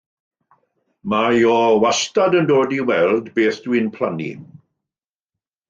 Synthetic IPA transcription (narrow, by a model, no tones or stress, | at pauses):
majɔwastadəndoːdiwɛlˠdbeːθd̥wɨnpʰl̥anḭ